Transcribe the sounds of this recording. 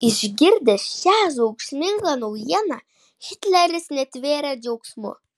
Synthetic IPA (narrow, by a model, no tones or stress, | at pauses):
ɪʒʲɡʲɪɾʲd̪ʲɛʃʲæʒɐʊksʲmʲɪŋɡɑnɐʊjɛnɑ | hʲɪt̪ʲlʲɛɾʲɪsnʲɛt̪ʲʋʲeːɾʲɛd͡ʒʲɛʊksʲmʊ̰